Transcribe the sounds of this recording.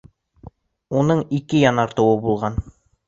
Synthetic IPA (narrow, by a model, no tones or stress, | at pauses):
unɤɴikɘjɑnɑɾt̪ɤ̆wɤbulˠʁɑn